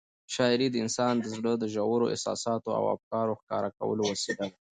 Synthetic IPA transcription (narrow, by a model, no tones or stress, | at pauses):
ʃɑɪɾid̪əɪnsɑnd̪əzɽəd̪əʒawəɾoʔɪ̰sɑ̰sɑt̪oa̰wa̰fkɑɾoxkɑ̰ɾaka̰wə̰lowəsed̪al